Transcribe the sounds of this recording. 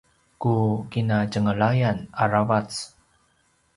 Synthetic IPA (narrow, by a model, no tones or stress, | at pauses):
kukinad͡ʒəŋəɭajanaɾavat͡s